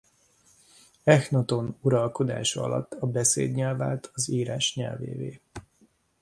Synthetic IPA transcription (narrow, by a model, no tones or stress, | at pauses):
ɛxnot̪o̞nuɾɒlko̞d̪a̰ːʃɒɒ̰lɒ̰t̪ːɒbɛseːd̪ɲɛlvaːlt̪ʰɒziːɾaːʃɲɛ̰lvḛːveː